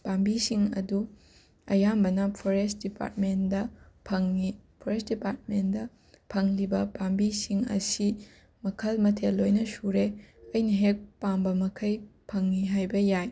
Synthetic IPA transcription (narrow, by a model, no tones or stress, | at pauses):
bambisiŋɐ̰du | ɐ̰jambɐnɐpʰoɾest̚dipa̰ɾt̚mendɐpʰɐŋnipʰoɾesdipaɾt̚mendɐ | pʰɐŋlibɐbambisiŋɐ̰si | mɐkʰɐlmɐtʰelːojnɐsuɾeɐjnɐɦek̚pambɐmɐkʰɐjpʰɐŋːiɦajbɐjaj